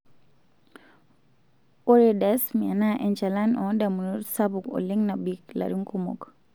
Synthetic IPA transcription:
oɾedasmianaʔɛnt͡ʃalanɔdamunuɾsabukɔ̰liŋnabikla̰ɾiŋkumɔ̰k

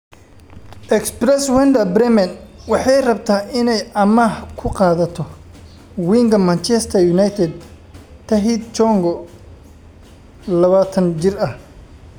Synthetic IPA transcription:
ʔɛksprɛswɛnd̪ɐbɾɛmɐnwɑħɑjrɐbt̪ʰaːɪnɛjɐmɐhkʰʊqɑːðɐt̪ʰɔ | wiːŋɡɐmɐnt͡ʃɛst̪ʰɐrjʊnajt̪ʰɛd̪̚ | t̪ʰɐɦid̪̚t͡ʃɔŋɡɔ | lɐβaːt̪ʰɐnt͡ʃɪrɐh

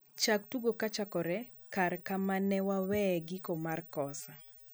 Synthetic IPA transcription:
t͡ʃaktuɡokat͡ʃakɔɾɛ | kaɾkamanɛwawɛɡɪkomarkɔsa

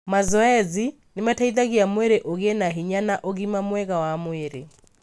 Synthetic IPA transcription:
mazɔɛzi | nemataiðaɣiamweɾeʔoɣenaɦiɲanaʔoɣimamwɛɣawamweɾḛ

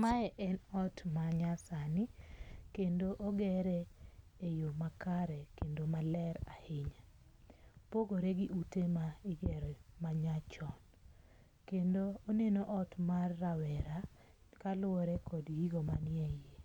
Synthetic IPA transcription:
maɛʔɛnɔtmaɲasanɪkendoʔoɡɛɾɛejomakaɾɛkendomalɛɾahɪɲa | poɡoɾeɡiʔutemaiɡɛɾɛmaɲat͡ʃɔn | kendoonenoʔɔtmarːawɛɾa | kalʊɔɾɛkɔdɡiɡomanɪeje

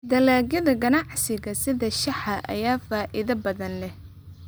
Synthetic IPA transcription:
d̪ɐlaːɡjɐðɐɡɐnɑʕsɪɣɐsɪðɐʃɐħɐʔɐ̰jaːfaːʔɪðɐbɐðɐnlɛh

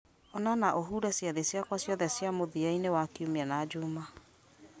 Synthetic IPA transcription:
ɔnanaʔoɦuːɾɛsjaðesjakwasjɔðɛsjamoðiainewakiumeanad͡ʑuma

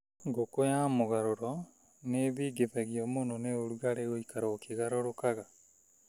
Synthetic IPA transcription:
ŋɡokojamoɣaɾoɾɔ | neβiːɡeβɛɣiɔmononeoɾuɣaɾeɣoikaɾɔːkiɣaɾoɾokaɣa

